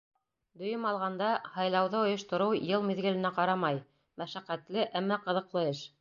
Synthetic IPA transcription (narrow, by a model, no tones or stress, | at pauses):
d̪ɵ̆jɘmɑlˠʁɑnd̪ɑhɑjlˠɑwðɤŏjŏʃt̪ŏɾɤwjɤlˠmiðɡɘ̆lɘ̆næqɑɾɑmɑj | mæʃæqæt̪lɘʔæmːɑqɤ̆ðɤ̆qlˠɤɘʃ